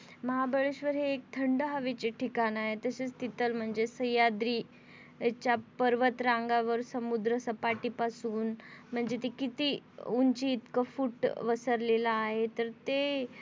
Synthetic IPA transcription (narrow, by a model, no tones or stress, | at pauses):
məɦabʱəɭeɕʋəɾɦeːk̚t̪ʰəɳɖəɦaʋet͡ɕeʈʰikanaɦet̪əset͡st̪it̪əlm̤əɳd͡zesəjad̪ɾiː | t͡ɕjapəɾʋət̪ɾãŋɡaʋəɾsəmud̪ɾəsəpaʈiːpasuːnm̤əɳd͡zet̪ekit̪iːuɲt͡ɕiːt̪kəfuʈʋəsəɾlelaːɦet̪əɾt̪e